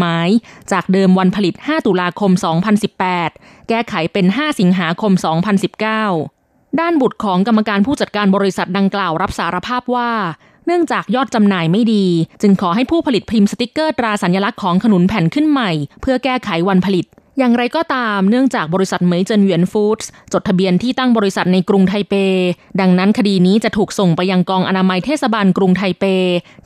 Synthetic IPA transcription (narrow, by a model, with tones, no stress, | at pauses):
maː˦˥jt͡ɕaː˨˩k̚dɤː˧mwa˧npʰa˧li˨˩t̪̚haː˥˩t̪u˨˧˩laː˧kʰo˧msɔː˩˦ŋpʰa˧nsi˨˩pːɛː˨˩t̪̚ | kɛː˥˩kʰa˩˦jpe˧nɦaː˥˩si˩˦ŋɦaː˩˦kʰo˧msɔː˩˦ŋpʰa˧nsi˨˩p̚kaː˥˩w | daː˥˩nbu˨˩t̪̚kʰɔː˩˦ŋka˧mːa˧kaː˧npʰuː˥˩t͡ɕa˨˩t̪̚kaː˧nbɔː˧ɾi˦˥sa˨˩t̪̚da˧ŋklaː˨˩wɾa˦˥p̚saː˩˦ɾa˧pʰaː˥˩p̚waː˥˩ | nɯ˥˩əŋt͡ɕaː˨˩k̚jɔː˥˩t̪̚t͡ɕa˧mnaː˧˩jma˥˩jdiː˧t͡ɕɯ˧ŋkʰɔː˩˦ɦa˥˩jpʰuː˥˩pʰa˧li˨˩t̪̚pʰi˧msa˧t̪i˦˥kːɤː˥˩t̪ɾaː˧sa˩˦njaː˧la˦˥kʰːɔː˩˦ŋkʰnu˨˩˦npʰɛ˨˩˦nkʰɯ˥˩nma˨˩jpʰɯ˥˩ɐkɛː˥˩kʰa˩˦jwa˧npʰa˧li˨˩t̪̚ | jaː˨˩ŋɾa˧jkɔː˥˩t̪aː˧mnɯ˥˩əŋt͡ɕaː˨˩k̚bɔː˧ɾi˥sa˨˩t̪̚mɯ˩˦jt͡ɕɤː˧nwi˩˦ənfuː˦˥t̪̚st͡ɕo˨˩t̪ʰːa˧bi˧ənt̪ʰiː˥˩t̪a˥˩ŋbɔː˧ɾi˦˥sa˨˩t̪̚na˧jkɾu˧ŋt̪ʰa˧jpeː˧da˧ŋna˦˥nkʰa˧diː˧niː˦˥t͡ɕa˨˩t̪ʰuː˨˩k̚so˨˩ŋpa˧jːa˧ŋkɔː˧ŋʔa˧naː˧ma˧jt̪ʰeː˥˩sa˧baː˧nkɾu˧ŋt̪ʰa˧jpeː˧